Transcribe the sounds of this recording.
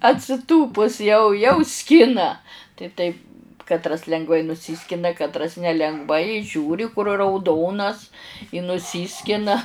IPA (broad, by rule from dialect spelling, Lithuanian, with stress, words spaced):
ɐtʲsʲɪˈtuːpʊs jɛʊ jɛʊ ˈsʲkʲɪnɐ tɐɪ ˈtɐɪp kɐtˈrɐs lʲɛŋɡˈʋɐɪ nʊˈsʲiːsʲkʲɪnɐ kɐtˈrɐs nʲɛlʲɛŋɡˈʋɐɪ ˈʒʲuːrʲɪ kʊr rɐʊˈdoːnɐs ɪ nʊˈsʲiːsʲkʲɪnɐ